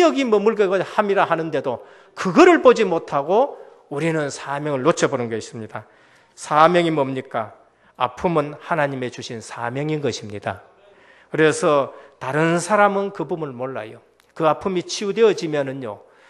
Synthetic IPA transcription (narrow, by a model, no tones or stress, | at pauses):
ʌɡimʌmuɭɡʌɡʌhamiɾaɦanɯnde̞do | kɯɡʌɾɯɭpod͡ʑimotʰaɡo | uɾinɯnsʰamjʌŋɯɭːot͡ɕʰʌbonɯnɡʌis͈ɯmɲida | sʰamjʌŋimʌmɲik͈a | a̰pʰɯmɯnhanaɲime̞t͡ɕuɕʰinsʰa̰mjʌŋinɡʌɕʰimɲida̰ | kɯɾe̞sʰʌtaɾɯnsʰaɾamɯnkɯbumɯmoɭːa̰jo | kɯapʰɯmit͡ɕʰiudeʌd͡ʑimjʌnɯnjo